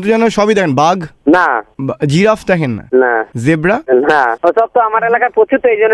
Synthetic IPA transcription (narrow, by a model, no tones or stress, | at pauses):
t̪ud͡ʒɛnoʃɔbid̪ɛkʰenbaɡnabd͡ʑiɾafʰd̪ɛkʰenːa̰nazebɾanaosɔb̚t̪oamaɾelakaɾpot͡ʃut̪ːoejd͡ʒonːe